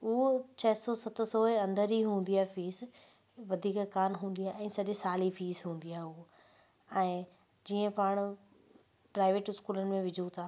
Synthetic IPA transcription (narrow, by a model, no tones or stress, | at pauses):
ut͡ɕʰɐɦsɔːsɐt̪ʊsoːeɐ̃nd̪əɾiɦũːn̆d̪iaːfiːs | ʋɐd̪ʱiːkkaːnɦũːn̆d̪ijaːɛ̃ːsɐɗsaːlifiːzɦũːn̆d̪ijaːɦʊo | ɛ̃ː | d͡ʑiːə̃paːɽ̃ʊ | pɾaːɪʋeːʈʊskuːlənɪ̆mẽʋɪd͡ʑʱut̪ʰaː